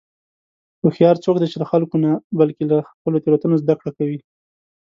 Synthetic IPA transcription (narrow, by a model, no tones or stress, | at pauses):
xoxjɑɾt͡sok̚d̪et͡ʃeləxalkonabalkelaxpəlot̪eɾat̪unozd̪akɽakawi